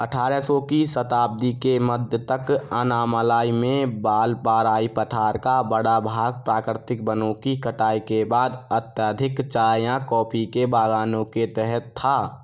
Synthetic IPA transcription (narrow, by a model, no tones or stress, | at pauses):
əʈʰaːɾɛsɔːkisət̪aːb̚d̪ikeməd̪ʱjət̪əkənaːməlaːimẽbaːlpaːɾaːipəʈʰaːɾkabəɽabʱaːɡ̚pɾaːkɾɪt̪ɪk̚bənõkikəʈaːikebaːd̪ət̪jaːd̪ʱɪkt͡ʃaːjãkɔːpʰikebaːɡaːnõket̪ɛɦɛt̪ʰːaː